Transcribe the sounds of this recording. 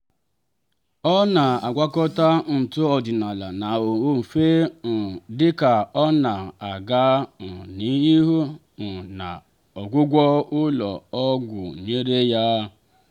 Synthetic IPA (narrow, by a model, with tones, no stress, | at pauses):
ɔ˦na˨a˨ɡʷa˦kɔ˦ta˦n̩˨tʊ˦ɔ˨dɪ˨na˨la˨na˨o˨˦m̩˨fe˦n̩˨dɪ˦ka˨ɔ˦na˨a˨ɡa˦n̩˨ni˨˦i˦ɦu˦ | n̩˨na̰˨ | ɔ˨ɡʷʊ˦ɡʷɔ˦ʊ˦lɔ̰˨ɔ˦ɡʷʊ˨ɲe˦ɾe˦ja˦